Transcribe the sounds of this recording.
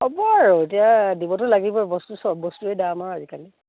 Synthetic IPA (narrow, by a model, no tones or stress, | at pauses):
ɔbɔaɹɔet̬ijadibɔtʊlaɡibɔbɔstusɔbɔstuɛdamaazikali